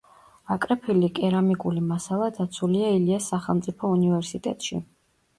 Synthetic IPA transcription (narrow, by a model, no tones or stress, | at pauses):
akʼɾɛpʰilikʼɛɾamikʼulimasalˠad̪at̪sʰuliailiasːaχɛ̰lˠmt̪sʼipʰɔunivɛɾsit̪ʼɛ̰t̪ʼʃḭ